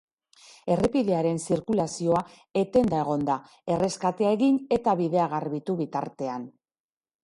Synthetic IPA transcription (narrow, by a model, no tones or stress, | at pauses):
e̞re̞piðe̞aɾe̞nsiɾkulasio̞a | e̞t̪e̞nd̪ae̞ɣ̞o̞nd̪a | e̞re̞skat̪e̞aeɣine̞t̪aβiðe̞aɣarβit̪uβit̪a̰ɾt̪e̞an